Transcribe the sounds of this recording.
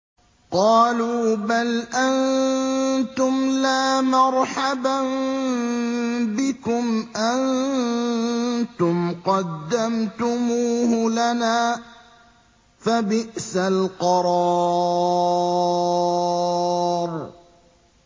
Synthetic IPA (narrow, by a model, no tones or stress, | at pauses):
qɑːluːbalʔan | t̪ʊmlaːmɑɾˤħabam | bɪkʊmʔan | t̪ʊmqɑd̪ːamt̪ʊmuːhʊlanaː | fabɪʔsalqɑɾˤɑː | ɾ